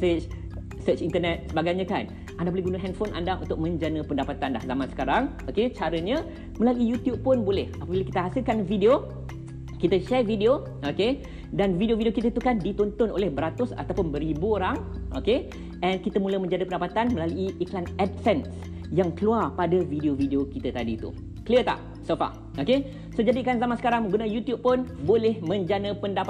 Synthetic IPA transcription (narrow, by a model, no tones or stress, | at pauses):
sət͡ʃ | sət͡ʃint̪ənɛt̪̚səbaɡajɲãkan | ʔandabolɛhɡunəɦɛnfonʔa̰ndaʔṵnt̪ʊk̚mə̃ɲd͡ʒanə̃pəndapat̪anlahzamansə̥kaɾaŋ | oket͡ʃaɾəɲə | mə̃laluijut̪jub̚pʊnbolɛhapəbiləki̥t̪əɦasɪlkanvideo | kit̪əʃɛrvideo | ʔoke | danvideovideokit̪at̪ukandit̪ɔnt̪ʊno̰lɛhbəɾat̪ʊsa̰t̪awpʊnbəɾibuoɾaŋʔo̰ke | ʔɛnkit̪əmũləmə̃ɲd͡ʒanəpəndapat̪anmə̃laluiʔiklanɛdfɛns | jaŋkəluarpadavideovideokit̪ət̪adiːt̪ṵ | kəliət̪a̰ʔ | sofa̰ | oke | sod͡ʒadikanzamãnsə̥kaɾaŋmə̃ŋɡunajut̪jub̚pʊnbolɛhmə̃ɲd͡ʒanəpəndap